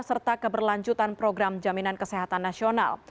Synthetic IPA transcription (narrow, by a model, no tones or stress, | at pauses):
sərt̪akəbərlaɲd͡ʒut̪anpɾoɡɾamd͡ʒaminankəsɛɦat̪anːasiona̰l